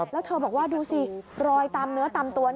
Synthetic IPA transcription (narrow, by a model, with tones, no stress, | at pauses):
lɛ˦˥wt̪ʰɤː˧bɔː˨˩k̚waː˥˩duː˧si˨˧˩ɾɔː˧jt̪aː˧mnɯ˦˥ɐt̪a˧mt̪u˧ɐn